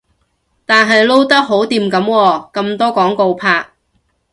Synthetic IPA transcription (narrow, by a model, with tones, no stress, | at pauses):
t̪aː˨nɦɐ˨jlo˥wt̪ɐ˥k̚ɦo˨˥wt̪iː˧mkɐ˨˥mwɔː˧kɐ˧mt̪ɔː˥kɔː˨˥ŋko˧wpʰaː˧k̚